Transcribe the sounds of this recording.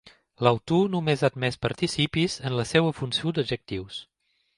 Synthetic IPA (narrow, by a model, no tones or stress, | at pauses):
ləwt̪unumezad̪mɛspəɾt̪isipizənləsɛwəfunsiod̪əʒək̚t̪iws